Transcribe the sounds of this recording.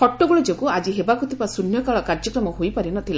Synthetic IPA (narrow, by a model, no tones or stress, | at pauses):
pʰɔʈːɔɡuɭɔd͡ʒɔkuad͡ʒiɦebakut̪ipasunjɔkaɭɔkaɾd͡ʒɔkɾɔmɔɦojpaɾinɔt̪ʰila